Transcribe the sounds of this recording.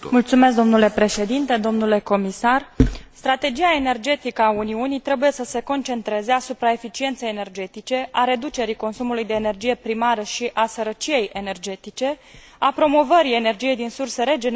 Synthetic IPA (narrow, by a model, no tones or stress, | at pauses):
mult̪sumes̬kd̪o̞mnule̞pɾe̞ʃe̞d̪int̪e̞d̪o̞mnule̞ko̞misarst̪ɾat̪e̞d͡ʒiae̞ne̞rd͡ʒe̞t̪ikəauniunijt̪ɾe̞buje̞səse̞ko̞nt͡ʃe̞nt̪ɾe̞ze̞asupɾae̞fit͡ʃie̞nt̪sejene̞rd͡ʒe̞t̪it͡ʃe̞ʔaɾe̞d̪ut͡ʃe̞ɾiko̞nsumulujd̪e̞ːne̞rd͡ʒije̞pɾimaɾəʃiʔasəɾət͡ʃije̞jʔe̞ne̞rd͡ʒe̞t̪it͡ʃe̞ | apɾo̞mo̞vəɾie̞ne̞rd͡ʒije̞jd̪insurse̞ɾe̞d͡ʒen